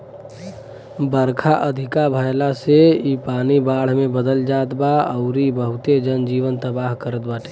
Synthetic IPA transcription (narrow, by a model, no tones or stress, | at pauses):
bəɾkʰaʔəd̪ʱɪkabʱəjlaseipaːnibaːɽ̤mẽbəd̪əld͡ʒaːt̪baəʊɾibəɦʊt̪ed͡ʒənd͡ʒiːʋənt̪əbaːɦkəɾət̪baːʈʰe̥